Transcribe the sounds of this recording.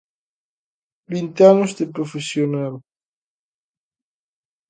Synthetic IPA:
bint̪eanozd̪epɾofesjonal

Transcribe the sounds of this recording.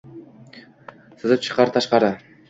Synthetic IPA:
sɯzɯp̚t͡ʃʰɯ̥qɑɾt̪ʰɑʃqɑɾə

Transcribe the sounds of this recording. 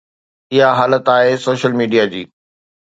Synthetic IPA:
ɪɦaɦaːlət̪aːɦesoːʃəlmiːɖijad͡ʑiː

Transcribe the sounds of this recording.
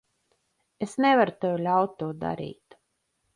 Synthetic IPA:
esnɛvaɾut̪ewlʲawt̪ːuːd̪a̰ɾḭːt̪

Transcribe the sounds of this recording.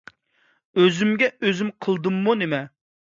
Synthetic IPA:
øzymɡʲɛøzymqʰəlˠd̪ɨmːunemɛ

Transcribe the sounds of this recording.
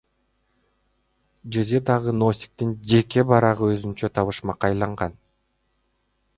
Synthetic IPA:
d͡ʒɯzid̪ɑʁɯnosʲi̥k̚t̪ind͡ʒe̞ke̞bɑɾɑʁɯøzynt͡ʃøt̪ʰɑβɯʃmɑqɑjlˠɑɴʁɑn

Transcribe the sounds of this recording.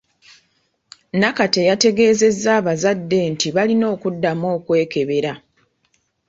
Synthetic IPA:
nakate̞jate̞ɡe̞ːze̞zːaːβazadːe̞ntiβalino̞ːkudːamo̞ːkwe̞ːke̞βe̞ɾa

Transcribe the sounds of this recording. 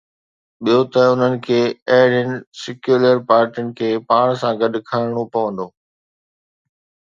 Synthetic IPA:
ɓijot̪ɐʊn̤ənɪ̆kʰeːɐɦɪɽənɪ̆sɪkjuːləɾpaːɾʈənɪ̆kʰeːpaːɽ̃sãɡɐɗ̆kʰaːɪɽ̃opɐʋə̃nd̪oː

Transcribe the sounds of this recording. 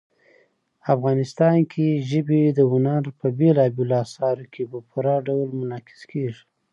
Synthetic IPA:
afɣɑnɪst̪ɑnkʰeʒəbed̪əʊnaɾpəbelɑbeloɑsɑɾokʰepəpuɾɑɖawlmʊnɑkɪ̥zkʰeʐi̥

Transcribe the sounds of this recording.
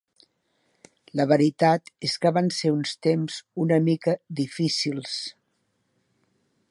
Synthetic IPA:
ləβəɾit̪at̪eskəβanseunst̪emzunəmikəd̪ifisilˠs

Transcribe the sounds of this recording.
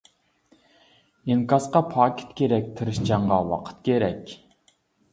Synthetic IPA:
iŋkɑsqɑpʰɑːkʰʲɪ̥t̪kʲeɾɛk̚ʲt̪ʰɨɾɨʃt͡ʃʰɑɴʁɑwɑ̰qʰə̥t̪̚kʲeɾɛkʲ

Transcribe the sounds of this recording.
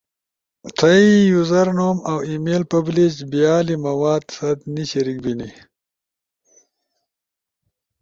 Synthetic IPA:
t̪ʰɐijuzɐɾnoːmawimeːlpɐblit͡ʃbijaːlimɐwaːd̪sɐd̪niɕiɾik̚bini

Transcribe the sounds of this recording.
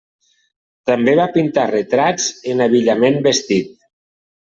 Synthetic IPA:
t̪ambeβapint̪aret̪ɾad͡zenaβiʎamembest̪it̪̚

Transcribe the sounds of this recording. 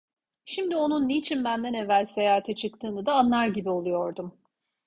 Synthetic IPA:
ʃimd̪io̞nunːiːt͡ʃʰinbænd̪ænevːælʲse̞jaːt̪ʰɛt͡ʃʰɯkt̪ʰɯːnɯd̪aːnlˠaɾɟibio̞lˠujo̞ɾd̪um

